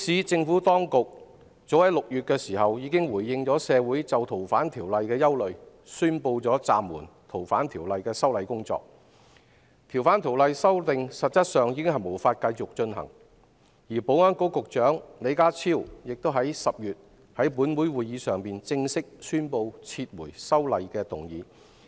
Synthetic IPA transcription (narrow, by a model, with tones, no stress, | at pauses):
siː˨t͡sɪ˧ŋfuː˨˥t̪ɔː˥ŋkʊ˨k̚ | t͡so˨˥whɐ˨˥jlʊ˨k̚jyː˨t̚kɛː˧siː˨˩hɐ˨wjiː˨˧kɪ˥ŋwuː˨˩jːɪ˧ŋt͡sɔː˨˥sɛː˨˧wuː˨˥jt͡sɐ˨wt̪ʰo˨˩wfaː˨˥nt̪ʰiː˨˩wlɐ˨jkɛː˧jɐ˥wlɵ˨ɥ | syː˥npo˧wt͡sɔː˨˥t͡sa̰ː˨mːuː˨˩nt̪ʰo˨˩wfa̰ː˨˥nt̪ʰiː˨˩wlɐ˨jkɛː˧sɐ˥wlɐ˨˧jkʊ˥ŋt͡sɔ̰ː˧k̚ | t̪ʰi˨˩wfaː˨˥nt̪ʰi˨˩wlɐ˨jsɐ˥wt̪ɪ˨ŋsɐ˨p̚t͡sɐ˥t̚sœː˨ŋjiː˨˧kɪ˥ŋɦɐ˨jmo˨˩wfaː˧t̚kɐ˧jt͡sʊ˨k̚t͡ʃɵ˧nɦɐ̰˨˩ŋ | jiː˨˩po˨˥wŋɔː˥nko˥wkʊ˨k̚t͡ʃœː˨˥ŋle˨˧jkaː˥t͡sʰiː˥˩wjɪ˨k̚t̪o˥wɦɐ˨˥jsɐ˨p̚jyː˨t̚ | hɐ˨˥jpuː˨˥nwuː˨˥jwuː˨˩jjiː˨˧sœː˨ŋpiː˨nt͡sɪ˧ŋsɪ˥k̚syː˥npo˧wt͡sʰiː˧t̚wuː˨˩jsɐ˥wlɐ˨jkɛː˧t̪ʊ˨ŋjiː˨˧˥